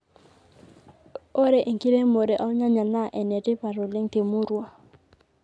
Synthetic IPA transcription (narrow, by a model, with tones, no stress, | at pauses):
o˦ɾɛ˨ʔe˨ŋki˦le˦mo˨ɾɛ˨ʔa˦ʊ˦ɲa˦ɲa˨na˦˨ʔɛ˨nɛ˨tɪ˦pa˨ɾʊ˨lɪ˦ŋtɪ˨mʊ˦ɾu˦a˦